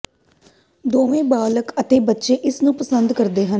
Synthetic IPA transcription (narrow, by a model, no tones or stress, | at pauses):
d̪oːmẽːbaːləkət̪eːbətːʃeːʔɪsnũːpəsənd̪kəɾd̪eːɦən